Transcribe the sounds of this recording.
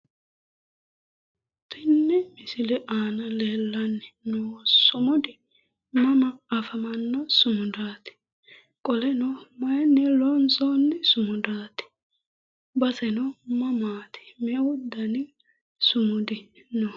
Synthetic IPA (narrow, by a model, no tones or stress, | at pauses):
t̪ʰɪnːɛmɪsɪlɛʔaːnɐleːlːɐnːɪnoːsʊmʊd̪ɪ | mɐmɐɐfɐmɐnːɔsʊmʊd̪aːt̪ɪ̥ | kʼɔlɛnɔmɐjnːɛlɔnsɔnːɪsʊmʊd̪aːt̪ɪ̥ | bɐsɛnɔmɐmaːt̪ɪ̥mewʊd̪ːɐnɪ | sʊmʊd̪ɪnɔ